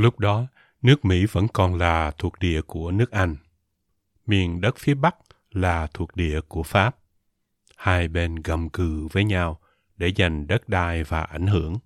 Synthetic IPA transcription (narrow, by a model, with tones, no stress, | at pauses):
lʊ˦˥k͡p̚ɗɔ˨˦ | nɨ˦˥ək̚mḭ˧˥və̰˧˥nkɔ˨˩nlaː˨˩t̪ʰu˨˩ək̚ɗḭ˧˨əku˧˩ənɨ˦˥ək̚ʔa˧jŋ̟ | mi˨˩ənɗə˦˥t̚fi˨˦əɓa˦˥k̚ | laː˨˩t̪ʰu˨˩ək̚ɗḭ˧˨əku˧˩əfaː˦˥p̚ | haː˧jɓe˧nɣə˨˩mkɨ˨˩vəː˨˦jɲa˧w | ɗe˧˩za˨˩jŋ̟ɗə˦˥t̚ɗaː˧jvaː˨˩ʔa˧˩jŋ̟ɦɨ˧˩əŋ